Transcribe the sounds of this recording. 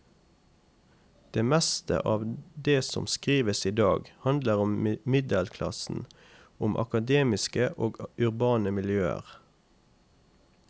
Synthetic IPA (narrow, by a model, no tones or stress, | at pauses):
d̪̥eːmɛst̪ə̰ʔɑːʋd̪eːsɔ̰mskʁiːʋəsiːd̪ɑːɡhɑnd̪ləʁʊmmɪd̪əlkʰlɑ̰sn̩ | ʊmʔɑ̰kɑd̪eːmɪskəʔoːɡʉʁbɑːnəmɪljøːə̰ʁ